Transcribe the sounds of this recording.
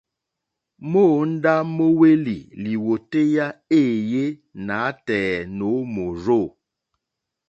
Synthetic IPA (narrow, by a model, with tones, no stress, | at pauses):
mo˦˨n̩˦da˦mo˦we˦lḭ˨li˨wo˨te˦ja˦eː˦˨je˦na˨˦tɛː˨no˨˦mo˨ɾo˦˨